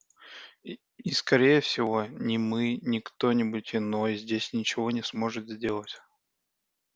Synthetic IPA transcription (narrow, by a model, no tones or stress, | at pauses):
iskɐɾʲejəfsʲɪvo̞nʲɪmɨnʲɪkt̪o̞nʲɪbʊtʲɪno̞jzʲdʲesʲnʲɪt͡ɕɪvo̞nʲɪsmo̞ʐɨt̪zʲdʲe̞lˠətʲ